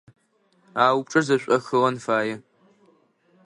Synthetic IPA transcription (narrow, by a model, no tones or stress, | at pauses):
aːwʊp̚ʈ͡ʂʼɐzɐɕʷʼɐxɨʁɐnfaːjɛ